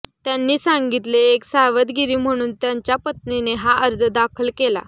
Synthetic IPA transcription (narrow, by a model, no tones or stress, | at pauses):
t̪janːiːsaŋɡit̪leːksaʋət̪ɡiɾiːm̤əɽ̃uːnt̪jaɲt͡ɕjapət̪̚neneɦaʔəɾd͡zəd̪akʰəlkela̰